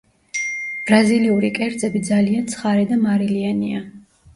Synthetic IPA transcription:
b̥ɾaziliuɾikʼɛɾd̪zʼɛbid̪zaliant̪sʰχaɾɛd̪amaɾiliania

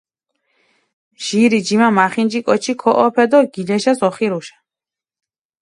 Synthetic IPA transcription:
ʒ̥iɾid͡ʒimamaχind͡ʒikʼɔt͡ʃʰikʰɔʔɔpʰɛd̪ɔɡilɛʃasɔχiɾuʃḁ

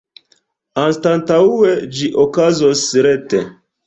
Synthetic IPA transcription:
anstantaued͡ʒiʔokazosːɾetḛ

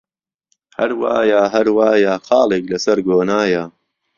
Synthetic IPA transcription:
hɐɾwa̰ːjaːɦɐɾwaːjaːxɑːlˠeːklɐsɐɾɡoːnaːja

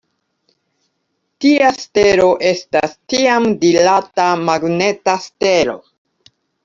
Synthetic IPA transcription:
tiaste̞ɾo̞ʔe̞stastiamdilatamaɡne̞taste̞ɾo̞̰

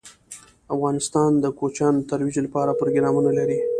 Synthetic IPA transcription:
afɣɑnɪst̪ɑnd̪əkot͡ʃɑnt̪aɾwid͡ʒlapɑɾapɾoɡɾɑmunalaɾi

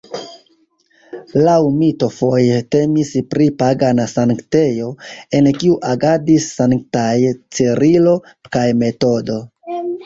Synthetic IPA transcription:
lawmito̞fo̞jete̞mispɾipaɡanasaŋkte̞jo̞e̞nkiuʔaɡadisːaŋktajt͡siɾilo̞ | kajme̞to̞do̞

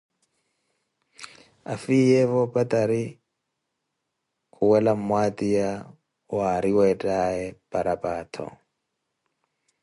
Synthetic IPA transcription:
a̰fijɛvɔpʼat̪ʼaɾi | kʰʼuwɛlamwatʼija | waɾiwɛtʼaɛpʼaɾʔapʼaːt̪ʰɔ̰

